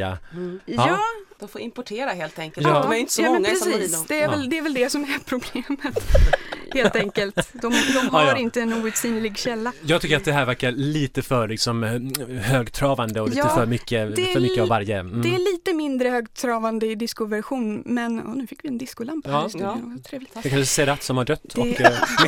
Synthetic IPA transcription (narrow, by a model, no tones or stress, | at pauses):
a̰jɑːd̪ɔmfoːɾɪmpʊʈʰeːɾaɦeːlt̪ɛŋkəlj̪ɑdmæɾjɪnt̪əsɔjɑːɔɛnŋːpɾɛsiːsd̪ɛːɾɛld̪ɛːɾvɛld̪ɛsɔmæɾpʰɾʊbleːmət̪ | heːlt̪ɛŋkəlt̪d̪ɔmdd̪ɔmɦaɾɪnt̪əɛnuːvʉt̪siːnlɪɡɕɛlːajɑːɡt̪ʰʏkːəɾat̪̚d̪ɛɦæːɾvæɾkaɾliːt̪əfœɾɭɪksɔmhøːɡt̪ʰɾɑːvand̪əɔjɑːfœɾmʏkːəd̪ɛfœɾmʏːəavːaɾjəd̪ɛæɭiːt̪əmɪnd̪ɾəhøːɡt̪ʰɾɑːvand̪əɪd̪ɪskʊvæɾɧuːnmɛnɔ̰nʉ̟ːfɪkːvɪɛnd̪ɪskʊlampːsnoːɡt̪ʰɾeːvlɪɛkʰanʂsɛɾat̪ːsɔmhaɖœt̪ːd̪ɔɛ